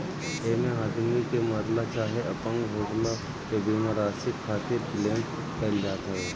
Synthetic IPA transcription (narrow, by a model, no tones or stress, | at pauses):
eːmẽɦaːd̪mikemaːt̪lat͡ʃaːɦeɐpə̃ŋɡɦoːɡla | kebimaɾaːsɪkʰːaːt̪ɪɾpɪleːm | kɛːld͡ʒaːt̪ɦɛː